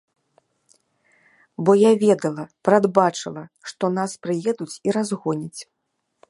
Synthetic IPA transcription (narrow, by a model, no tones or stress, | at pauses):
bɔjavʲɛd̪ɐlˠɐpɾad̪bat͡ʂɨlˠɐʂt̪ɔn̪aspɾɨjɛd̪ut͡sʲiɾazɣɔnʲit͡sʲ